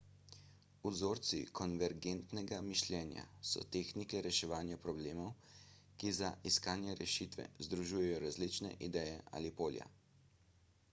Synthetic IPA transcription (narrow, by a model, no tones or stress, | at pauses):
uzoːɾt̪sḭkʰɔnʋɛɾɡent̪nɛɡamiʃlʲjɛːnja̰sɔ̰t̪eːxnikɛɾɛʃɛʋaːnjapɾɔbleːmɔw | kizaʔiskaːnjɛɾɛʃit̪ʋɛ̰zd̪ɾuʒuːjɛjɔɾazlit͡ʃnɛ̰ʔid̪ɛːjɛʔa̰ːlipoːlja̰